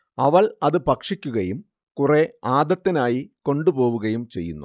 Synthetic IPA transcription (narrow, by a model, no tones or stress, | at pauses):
ɐʋɐlɐðɨpɐkʂikʲːuɣɐjum | kure̞aːd̪ɐt̪ːinaːjiko̞ɳɖupo̞ːʋuɣɐjumt͡ɕe̞jːṵnːṵ